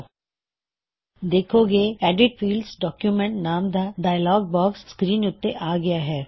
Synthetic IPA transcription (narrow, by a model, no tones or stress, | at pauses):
d̪eːkʰoɡeɛːɖɪʈfiːlɖsɖɔːkjumɛ̃ɳʈnaːmd̪aɖaːjlɔːɡ̚bɔːksːkɾiːnʊt̪ːeʔaːɡɐjaɦɛː